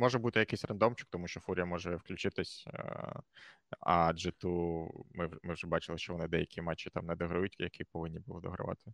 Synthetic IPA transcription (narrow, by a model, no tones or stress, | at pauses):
mɔʒɛbut̪ɪjɐkɪsʲrɐnd̪ɔmt͡ʃʊ̥k̚t̪ɔmuʃt͡ʃɔfuɾʲijɐmɔʒɛwklʲʉt͡ʃɪt̪ɪsʲ | ɐ̰d͡ʒɛt̪umɪmɪwʒɛbɑt͡ʃɪlˠɪʃt͡ʃɔʋɔnɪd̪ɛjɐkʲimɑt͡ʃːit̪ɑmnɛd̪ɔɦɾɐjʊtʲjɐkipɔʋɪnʲːibʊɔd̪ɔ̰ɦɾɐ̰ʋɑ̰t̪ʰɪ